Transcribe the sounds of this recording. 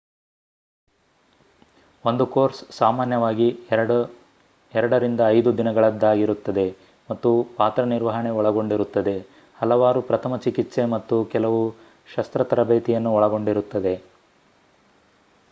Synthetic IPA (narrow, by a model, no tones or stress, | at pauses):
o̞nd̪ukoːɾssaːmaːnjɐʋaːɡi | ɛɾɐɽɐɾind̪ɐːjd̪ud̪inɐɡɐɭɐd̪ːaːɡiɾut̪ːɐd̪e̞ | mɐt̪ːupaːt̪ɾɐniɾʋɐɦɐɳe̞ɔɭɐɡo̞ɳɖiɾut̪ːɐd̪e̞ | hɐlɐʋaːɾupɾɐt̪ʰɐmɐt͡ʃikit̪se̞mɐt̪ːukɛlɐʋu | ʃɐst̪ɾɐt̪ɐɾɐbeːt̪ijɐnːuɔɭɐɡo̞ɳɖiɾut̪ːɐd̪e̞